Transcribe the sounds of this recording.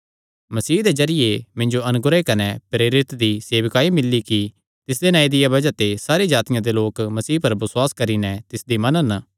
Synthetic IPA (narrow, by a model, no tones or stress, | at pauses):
mɐsiːd̪ezɐɾɪjemɪ̃ɲd͡ʒoɐnʊɡɾekɐnepɾeːɾɪt̪d̪iseːʋkaːimɪlːiki | t̪ɪs̬d̪enãːid̪ɪjabɐd͡ʒat̪esaːɾed͡ʒaːt̪ɪjãd̪eloːkmɐsiːpɐɾbɪswaːskɐɾinɛt̪ɪsd̪imɐnən